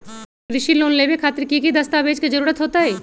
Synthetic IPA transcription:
ɾɪʃiloːnleːʋekʰaːt̪ɪɾkikid̪ɐst̪aːʋeːd͡ʒked͡ʒɐɾuːɾət̪ɦoːt̪aɦɛː

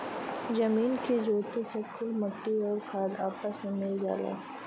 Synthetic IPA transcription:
d͡ʒɐmiːnked͡ʒoːt̪esekʰʊlmɐʈːiəɾkʰaːd̪aːpəsmẽmɪld͡ʒa̰ːla̰ː

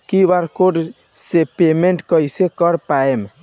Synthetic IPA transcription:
kiʋaɾkoɖ | sepemeɳʈkəjsekəɾpaem

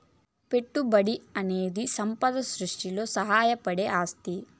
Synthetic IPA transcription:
pe̞ʈːubɐɽiɐne̞ːd̪isɐmpɐd̪ɐsɾuʂʈilo̞ːsɐɦaːjɐpɐɽeʔaːst̪i

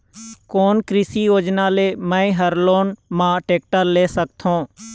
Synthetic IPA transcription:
koːnkɾɪsijoːd͡ʒnaːleːmɛ̃ĩɦəɾloːnmãːʈeːk̚ʈəɾleːsək̚t̪ʰõː

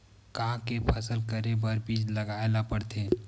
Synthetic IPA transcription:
kaãkepʰəsəlkəɾebɐɾbiːd͡ʒlɐɡaːlapəɽt̪eː

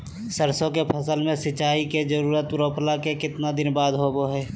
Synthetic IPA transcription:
səɾsõkepʰəsəlmẽsɪt͡ʃaːiked͡ʒəɾuːɾət̪pɾõːplakekɪt̪nad̪ɪnbaːd̪ɦoboɦɛː

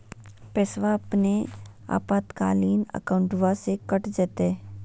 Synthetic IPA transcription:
pɛːsʋaɐpnea̰ːpaːt̪ka̰ːliːnə̰kaʊ̃ɳʈʋasekəʈd͡ʒɛːt̪e

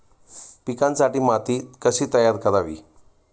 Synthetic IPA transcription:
pikãnsaʈiːmat̪iːkəɕiːt̪əjaɾkəɾaʋḭː

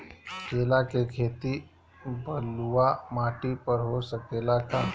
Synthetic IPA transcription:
kelakekʰet̪i | bʱəlʋamaʈipəɾɦosəkelaka

